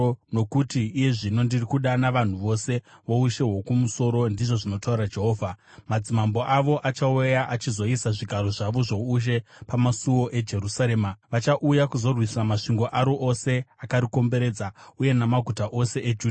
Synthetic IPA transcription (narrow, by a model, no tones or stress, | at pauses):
no̞kutiːje̞ʐino̞ndirikuɗanaʋan̤uʋo̞se̞ʋouʃe̞ɦwo̞kumuso̞ɾo̞ndiʐo̞ʐino̞tauɾad͡ʒe̞ɦo̞ːvʱa | mad͡zimambo̞ʔaʋo̞ʔat͡ʃaujaʔat͡ʃizo̞isaʐiɡʱaɾo̞ʐaʋo̞ʐoːʃ̬e̞pamasuwo̞ʔe̞d͡ʒe̞rusaɾe̞ːmaʋat͡ʃaʔujakuzo̞rwisamaʂiŋɡo̞ʔaɾo̞ʔose̞akaɾiko̞mbe̞ɾe̞ːd͡zauje̞namaɡʱutaʔo̞se̞ʔed͡ʒuːd